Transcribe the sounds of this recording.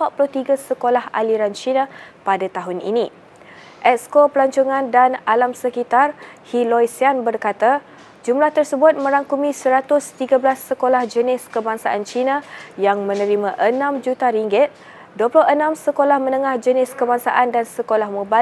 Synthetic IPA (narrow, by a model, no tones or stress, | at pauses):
pat̪̚pulʊht̪iɡasəkolaha̰liɾant͡ʃinãpadat̪aɦʊnḭnĩ | ʔɛtskopəlaɲt͡ʃuŋãndanalamsəkit̪arhilɔjsianbərkat̪a | d͡ʒumlaht̪ərsəbʊt̪̚mə̃ɾaŋkumĩsəɾat̪ʊst̪iɡablasːəkolahd͡ʒənɪskəbaŋsaʔant͡ʃinajaŋmə̃nə̃ɾimãʔənãmd͡ʒut̪aɾiŋɡɪt̪̚ | duəpulʊɦənãmsəkolahmə̃nəŋahd͡ʒənɪskəbaŋsa̰ʔandansəkolahmũba